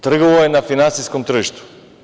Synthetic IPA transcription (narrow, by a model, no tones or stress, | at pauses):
t̪r̩ɡovoɛnafinansiskomt̪ɾəʒiʃt̪ɔ̥